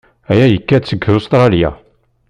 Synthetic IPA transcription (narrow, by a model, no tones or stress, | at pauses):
æjæjəkːæt͡sːəɡust̪ɾˤɑlja̰